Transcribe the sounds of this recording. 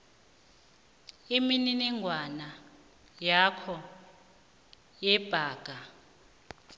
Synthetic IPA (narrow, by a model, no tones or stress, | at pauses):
imininiŋʱwana | jakʰɔ | jɛb̥ʱaːɡ̥ʱa